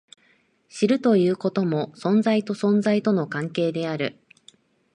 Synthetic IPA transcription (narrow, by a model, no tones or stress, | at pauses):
ɕiɾɯ̟t̪o̞jɯ̟ːko̞t̪o̞mo̞sõ̞nzait̪o̞sõ̞nzait̪o̞no̞kãŋke̞ːd̪e̞aɾɯ̟̰